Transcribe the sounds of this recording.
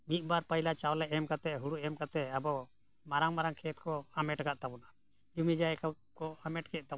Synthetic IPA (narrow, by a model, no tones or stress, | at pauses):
mit̪̚ˀbaɾpəjlat͡ʃawlɛʔɛmkat̪ɛɦuɽuɛmkat̪ɛabɔ | maɾaŋmaɾaŋkʰɛt̪̚kɔamɛʈɡaʔt̪abuna | jumid͡ʒajka | kɔamɛʈkʰɛʔ̚t̪a